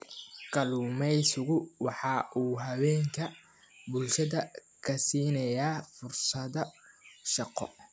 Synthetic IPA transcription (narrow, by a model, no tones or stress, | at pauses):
kʰɐluːmɛjsʊɣʊwɑħɑʔuːɦɐwɛːŋkʰɐ | bʊlʃɐðɐ | kʰɐsiːnɐjaːfʊrsɐðɐʃɑqɔ̰